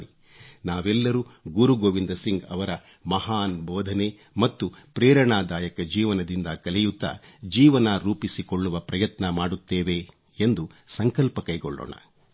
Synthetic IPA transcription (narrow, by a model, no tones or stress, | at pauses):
i | naːʋɛlːɐɾuːɡuɾuɡoːʋind̪ɐsiŋɡɐʋɐɾɐ | mɐɦaːnbɔːd̪ʱɐne | mɐt̪ːupɾɛːɾɐɳaːd̪aːjɐkɐd͡ʒiːʋɐnɐd̪ind̪ɐkɐlɛjut̪ːɐ̰d͡ʒiːʋɐnɐɾuːpisikoɭːuʋɐpɾɐjɐt̪nɐmaːɽut̪ːeːʋe | end̪usɐŋkɐlpɐkɐjkɔɭːo̰ːɳɐ̰